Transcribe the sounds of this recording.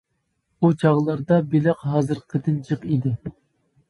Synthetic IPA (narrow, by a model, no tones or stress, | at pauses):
ut͡ʃʰɑʁlˠɑɾd̪ɑbilɪqɦɑːzɨɾqʰəd̪ɨnd͡ʒʰɨqid̪ɪ